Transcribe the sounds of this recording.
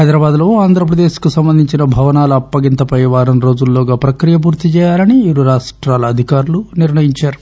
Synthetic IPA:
ɦɐjd̪ɾɐbaːd̪lo̞ːaːnd̪ʱɾɐp̬ɾɐd̪e̞ːʃkusɐmbɐnd̪ʱiɲt͡ʃinɐbʱɐʋɐnaːlɐɐpːɐɡint̪ɐpɐjʋaːɾɐmɾo̞ːd͡ʒulːoːɡaːpɾɐkɾijɐp̬uːɾt̪it͡ʃɛːjaːlɐniiɾuɾaːʂʈɾaːlɐɐd̪ʱikaːɾuluniɾɳɐjiɲt͡ʃaːɾu

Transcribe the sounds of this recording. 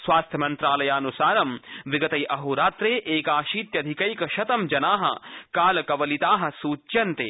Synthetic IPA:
sʋaːst̪ʰjɐmɐnt̪ɾaːlɐjaːnusaːnɐmʋiɡɐt̪ɐjʔɐɦuɾaːt̪ɾeːʔeːkaːʃiːt̪jɐd̪ʱikɐjkɐʃɐt̪ɐmd͡ʒɐnaːɦɐ̰kaːlɐkɐʋɐlit̪aːɦɐ̆suːt͡ʃjɐnt̪ḛː

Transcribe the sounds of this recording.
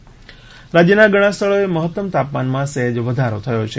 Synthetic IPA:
ɾad͡ʒjənaɡəɽ̃ãst̪ʰəɭoeməɦət̪ːəmt̪apmanmãseɦd͡ʒʋəd̪ʱaɾot̪ʰəjot͡ʃʰe

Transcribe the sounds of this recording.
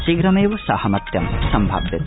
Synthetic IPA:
siɡɾɐmeːʋɐsɐhɐmɐt̪jɐmsɐmbʱa̰ːbjɐt̪

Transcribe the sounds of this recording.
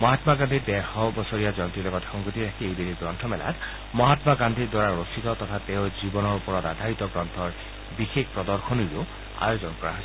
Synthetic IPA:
mɔɦatmaɡand̪ʱitdɛɹxɔbɔsoɹijazɔnt̪ɹilɔɡɔtxɔŋɡotiɹakʰiejbidiɡɹɔntʰɔmɛla̰t | mɔɦatmaɡandʱidwaɹaɹositɔtɔtʰateʊzibɔnɔɹupɔɹɔtadʱait̪ɔɡɹɔntʰɔɹ | bixekpɹɔdɔɹxʰɔniɹio | a̰jozɔnkɔɹa̰ɦojsɛ

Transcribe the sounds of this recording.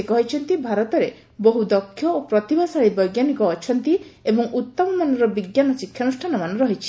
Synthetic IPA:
ekɔɦit͡ʃʰɔnt̪ibʱaɾɔt̪ɔɾe | boɦud̪ɔkʰːjɔopɾɔt̪ibasaɭibɔjɡjanikɔːt͡ʃʰɔnt̪iebɔŋʔut̪ːɔmɔmanɔɾɔbiɡjanɔsikʰjɔnusʈʰanɔmanɔɾɔɦit͡ʃʰi̥

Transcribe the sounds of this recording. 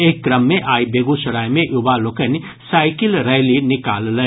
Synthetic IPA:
eːkkɾəmːẽʔaːjbeːɡuʃɐɽaːjmẽʔjʊbaloːkən | saːɪkɪlɾɛɦlinɪkaːllə

